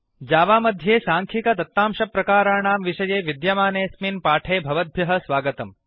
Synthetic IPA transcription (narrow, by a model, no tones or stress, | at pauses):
d͡ʒaːʋaːmɐd̪ʱjeːsaːŋkʰikɐt̪ɐt̪ːaːmʃɐpɾɐkaːɾaːɳaːmʋiʃɐjeːʋid̪jɐmaːneːsminpaːʈʰeːbʱɐʋɐd̪̚bʱjɐɦɐ̆sʋaːɡɐt̪ɐm